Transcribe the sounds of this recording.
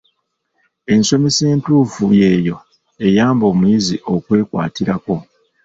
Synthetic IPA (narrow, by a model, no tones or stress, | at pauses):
e̞nso̞meseːntuːfuje̞ːjo̞ | e̞jaːmbo̞ːmujiziʔo̞kwe̞ːkwa̰ːtiɾako̞